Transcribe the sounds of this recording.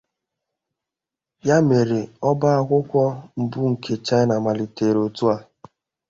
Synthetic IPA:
ja˦me˨ɾe˨ɔ˦ba˦a˦kʷʊ˦kʷɔ˦m̩˨bu˦ŋ̩˨kʰe˨t͡ʃa˦ɪ˦na˨ma˨li˨te˨ɾo˨tu˦a˨

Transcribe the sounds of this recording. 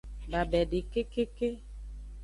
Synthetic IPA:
ba˨bɛ˨ɖi˨ke˦ke˦ke˦

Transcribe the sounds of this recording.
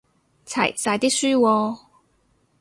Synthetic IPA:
t͡sʰɐ̰˨˩jsaː˨˩jt̪i˥k̚syː˥wɔː˧

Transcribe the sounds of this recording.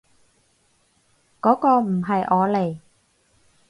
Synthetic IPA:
kɔː˨˥kɔː˧m̩˨˩ɦɐ˨jʔɔː˨˧le˨˩j

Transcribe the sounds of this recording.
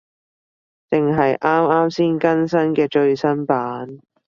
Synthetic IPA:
t̪ɪ˨ŋɦɐ˨jʔaː˥maː˥msiː˥nkɐ˥nsɐ˥nkɛː˧t͡ʃɵ˧ɥsɐ˥npaː˨˥n

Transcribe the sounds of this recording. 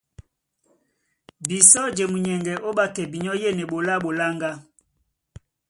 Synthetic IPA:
bi˨sɔ˦d͡ʒe˨mu˨ɲɛ˨ŋɡɛ˨ʔo˦ɓa˦kɛ˨bi˨ɲɔ˦je˦˨nɛ˨ɓo˨la˦ɓo˨la˦ŋɡa˦

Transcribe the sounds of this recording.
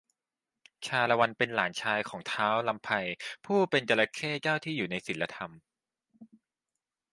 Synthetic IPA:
t͡ɕʰaː˧la˧wa˧npe˧nlaː˩˦nt͡ɕʰaː˧jkʰɔː˩˦ŋt̪ʰaː˦˥wla˧mpʰa˧jpʰuː˥˩pe˧nt͡ɕa˧la˦˥kʰeː˥˩t͡ɕaː˥˩wt̪ʰiː˥˩juː˨˩na˧jsi˨˩˦lːa˧t̪ʰa˧m

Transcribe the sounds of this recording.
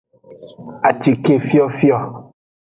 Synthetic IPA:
a˨ti˨ke˦fi˦ɔ˦fi˦ɔ˦˨

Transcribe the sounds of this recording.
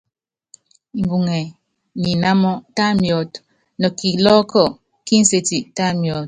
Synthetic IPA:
i˨m˨bu˨ŋɛ˨ | ni˨na˦mɔ˦ta˦mjɔ˨˦t | nɔ˨ki˨lɔ˦kɔ˦˨ | ki˦n̩˦se˦ti˨ta˦mjɔ˨˦t̚

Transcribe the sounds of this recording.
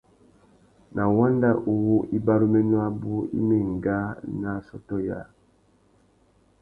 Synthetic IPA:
nʔa˨wa˦nda˦ʔu˨wu˦ʔi˦ba˦ɾu˦mɛ˦nwa˦bu˦ḭ˦me˨ŋ˨ɡa˦na˦sɔ˦tɔ˦ja̰˨

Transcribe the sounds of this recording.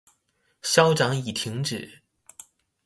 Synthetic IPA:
ɕjɑ˥ʊʈ͡ʂɑ˧˥ŋi˨˩t̪ʰi˧˥ŋʈ͡ʂɻ̩˨˩˦

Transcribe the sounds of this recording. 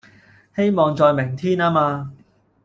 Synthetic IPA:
he˥jmɔː˨ŋt͡ʃɔː˨˧jmɪ˨˩ŋt̪ʰiː˥naː˥maː˧

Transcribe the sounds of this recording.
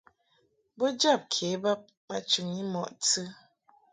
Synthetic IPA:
bɔ˦d͡ʒa˦˨p̚kʰe˨˦ba˦p̚ | ba˦t͡ʃʉ˨ŋi˦mɔ˨ʔt͡sɨ˦

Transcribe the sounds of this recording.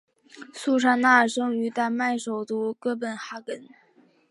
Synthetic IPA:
su˥˩ʂʰa˥na˥˩ə˨˩ʂɤ˥ŋy˧˥t̪a˥˧ma˥˩ɪʂo˨˩ʊt̪u˥kɤ˥˩p̬ə˨˩nxa˧˥kə˨˥n

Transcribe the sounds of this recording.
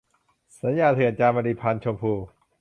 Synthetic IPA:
sa˨˦njaː˨˩t̪ʰɯ˨˩˦ənt͡ɕaː˧ma˧liː˧˩pʰa˧nt͡ɕʰo˧mpʰuː˧

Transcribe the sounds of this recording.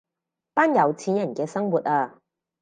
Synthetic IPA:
paː˥njɐ˨˧wt͡sʰiː˨˥njɐ˨˩nkɛː˧sɐ˥ŋwuː˨˩t̚aː˧

